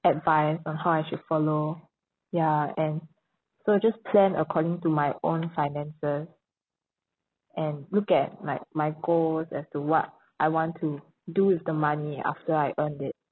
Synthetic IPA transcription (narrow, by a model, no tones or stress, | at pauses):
ɛtvãɪsɔ̃nɦawajʃud̥fɔlo | jaɛ̃n | soad͡ʒaspʰlɛ̃nə̰kʰɔɾɪ̃ŋtumajʔõ̰nfaɪnɛ̃nsəs | ʔɛ̃nlukɛt̚laɪk̚majɡosɛ̰stuwɔt̚ | ʔaɪwɔ̃ntʰu | duwɪfdəmania̰ftəaɪʔə̃ndɪt̚